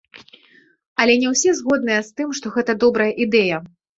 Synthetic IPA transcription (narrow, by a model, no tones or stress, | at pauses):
ɐlʲɛnʲɛwsʲɛzɣɔd̪nɨjɛst̪ɨmʂt̪ɔɣɛt̪ɐd̪ɔbɾɐjɐʔid̪ɛjɐ